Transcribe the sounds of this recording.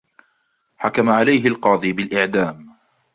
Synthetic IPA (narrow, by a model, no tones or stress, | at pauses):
ħakamaʕalajɦɪlqɑːd̪ˤiːbɪlʔɪʕd̪aːm